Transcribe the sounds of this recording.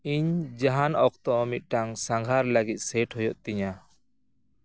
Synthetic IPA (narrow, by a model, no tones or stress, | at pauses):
iɲd͡ʒaɦanɔk̚t̪ɔmit̪̚ʈaŋsaŋɡʱaɾləɡit̪̚sɛʈhɔjɔʔt̪iɲa